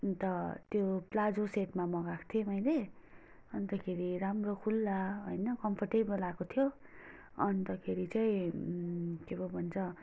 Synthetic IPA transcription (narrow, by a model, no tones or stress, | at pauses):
t̪ʌt̪joplad͡zoseʈmamʌɡakʰt̪ʰemʌjle | ʌnt̪ʌkʰeɾiramrokʰulːaɦʌjnʌkʌmpʰʌrʈebʌlakot̪ʰijo | ʌnt̪ʌkʰeɾit͡saĩ | kebʌbʱʌnt͡sʰʌ